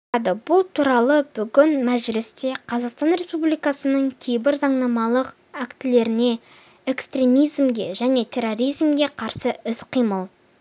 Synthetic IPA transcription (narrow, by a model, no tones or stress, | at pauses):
d̪əbʊlˠt̪ʰuɾɑlˠəb̥ʏɡʲɪnmæʒɪlɪst̪e̞qʰɑzɑqst̪ɑnɾe̞spublijkɑsənəɴkʲʰejbɪɾzɑɴnɑmɑlˠəq | ækt̪ɪle̞ɾɪne̞ | e̞kst̪ɾʲe̞mijzmɡʲe̞ʒæne̞t̪ʲʰe̞ɾo̞ɾijzmɡʲe̞qʰɑɾsəɪsqʰijməlˠ